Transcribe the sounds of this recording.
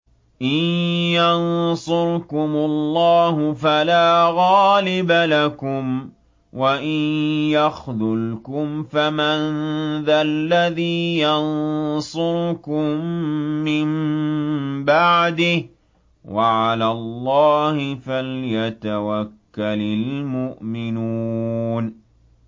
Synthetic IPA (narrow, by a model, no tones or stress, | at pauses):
ʔɪnjɑnsˤʊɾkʊmʊlˤːɑːhʊfalaːɣɑːlɪbalakʊm | waʔɪnjaxðʊlkʊmfamanðalːaðiːjɑnsˤʊɾkʊmːɪm | baʕd̪ɪh | waʕalalˤːɑːhɪfaljat̪awakːalɪlmʊʔmɪnuːn